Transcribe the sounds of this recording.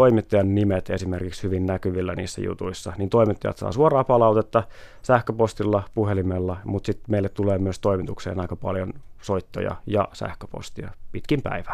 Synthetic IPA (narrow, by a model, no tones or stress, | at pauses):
oimit̪ːɑjɑnnimet̪esimerkikshyʋinnækyʋilːænḭːsːæ̰jṵt̪uisːɑnint̪o̞imit̪ːɑjɑ̰t̪sɑ̰ːsuorɑːpɑlɑut̪et̪ːɑsæhkøpost̪ilːɑpuhelimelːɑmut̪sit̪meilːet̪t̪uleːmyøst̪o̞imit̪uksḛːnɑikɑpɑ̰ljonsoit̪ːo̰jɑ̰jɑ̰sæ̰hkø̥po̰st̪iɑpit̪kimpæ̰iʋæ